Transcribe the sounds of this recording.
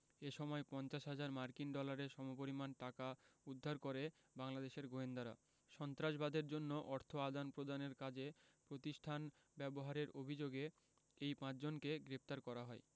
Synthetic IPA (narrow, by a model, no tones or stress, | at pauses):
eʃɔmɔepɔnt͡ɕaʃɦad͡ʑaɾmaɾkinɖɔlaɾeʃɔmop̬oɾimanʈakaud̪ʱːaɾkoɾe | baŋlad̪eʃeɾɡoend̪aɾa̰ | ʃɔnt̪ɾaʃbad̪ʱeɾd͡ʑonːoʔɔɾt̪ʰoad̪anpɾod̪aneɾkad͡ʑepɾot̪iʃʈʰan | bɛboɦaɾeɾobʱid͡ʑoɡe | ejpãt͡ɕd͡ʑonkeɡɾep̚t̪aɾkɔɾaɦɔe